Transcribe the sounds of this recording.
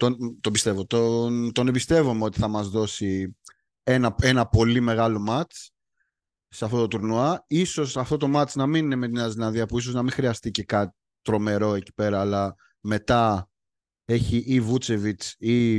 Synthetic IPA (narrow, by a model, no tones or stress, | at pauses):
t̪ont̪obist̪e̞vo̞t̪ont̪o̞nebist̪e̞vomeo̞t̪i̥θɐmɐzðo̞si | enɐe̞nɐpo̞lime̞ɣɐlo̞mɐt͡s | seɐft̪o̞t̪ot̪uɾnuɐiso̞sɐft̪o̞t̪o̞mɐt͡snɐminine̞me̞t̪̬inɐzinɐðiɐpuis̬oznɐmĩŋxɾiɐst̪ice̞kɐt̪i̥ | t̪ɾo̞me̞ɾo̞e̞ci̥pe̞ɾɐːlɐ | me̞t̪ɐ | e̞çiʔivut͡se̞vit͡si